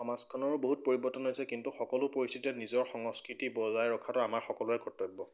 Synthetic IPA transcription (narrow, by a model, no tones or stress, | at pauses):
ɔmazkʰɔnɔɹboɦut̚poɹibɔtɔnɦojsɛkintuxɔkɔlʊpoɹistʰitɛnizɔɹxɔŋɔskɹitibɔzajɹɔkʰatɔamaɹxɔkɔlʊɛkɔtɔɡ̚bɔ